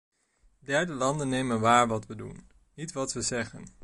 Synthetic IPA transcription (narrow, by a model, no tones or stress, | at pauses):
dɛɹdəlɑndənːejmənʋaːɹʋɑtʋədṵnː | itʋɑtʋəzɛχən